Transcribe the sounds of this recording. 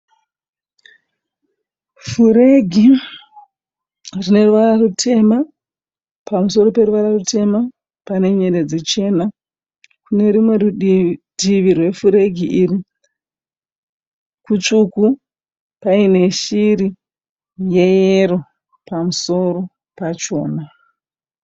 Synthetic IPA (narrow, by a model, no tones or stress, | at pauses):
fuɾe̞ɡʱi | rine̞ruʋararutʰe̞ma | pamuso̞ɾo̞pe̞ruʋararutʰe̞ma | pane̞ɲe̞ded͡zet͡ʃe̞ːna | kune̞ɾimwe̞rɗiʋirwe̞fuɾe̞ɡʱiʔiːri | kut͡ʂuku | paine̞ʃiri | je̞jeɾo̞ | pamuso̞ɾo̞ | pat͡ʃo̞ːna